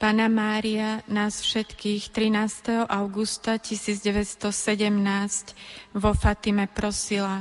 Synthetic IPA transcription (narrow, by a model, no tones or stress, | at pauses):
paːnamaːɾianaːsfʃɛt̪kiːxt̪ɾinaːst̪ɛɦɔʔaʊɡust̪acisiːd͡zɟɛʋɛst̪ɔsɛɟɛmnaːscʋɔfat̪imɛpɾɔsila